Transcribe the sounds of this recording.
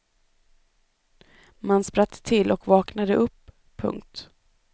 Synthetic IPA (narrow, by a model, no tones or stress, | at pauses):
manspɾat̪ʰːɪlːʔɔkvɑːknad̪əʔɵpʰː | ɵ̰ŋk̚t̪